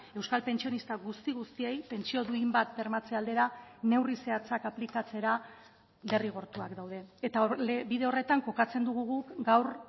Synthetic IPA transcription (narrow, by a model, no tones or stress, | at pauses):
e̞wskalpe̞nt͡ʃio̞nist̪aɣust̪iɣust̪ie̞jpe̞nt͡sio̞ðuimbat̪̚be̞ɾmat͡se̞ald̪e̞ɾane̞wrise̞at͡sakaplikat͡se̞ɾa | le̞riɣ̞o̞ɾt̪uakd̪awð̞e̞ːt̪abiðe̞o̞re̞t̪aŋko̞kat͡se̞nd̪uɣ̞uɣukɡawr